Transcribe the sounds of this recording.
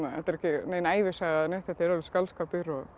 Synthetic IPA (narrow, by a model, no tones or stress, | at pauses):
ahɛt̪aɾɛhcɪneːjnaːjvɪsaɣaðnɛt̪ɛt̪ɛɾalɪ̥skalskaːpɪɾɔɣ